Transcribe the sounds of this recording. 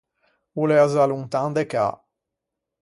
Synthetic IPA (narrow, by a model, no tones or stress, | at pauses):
uleazaluŋt̪and̪eka̰